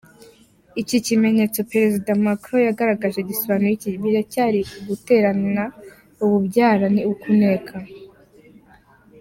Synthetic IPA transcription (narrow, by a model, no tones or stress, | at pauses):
icicime̞ɲe̞t͡so̞peɾe̞zidamakɾojaɡaɾaɡaʒeɟisoβaːnojiciβiɾacaːɾiuɡute̞ːɾanna | uβubɟaːɾaniukune̞ːkʰa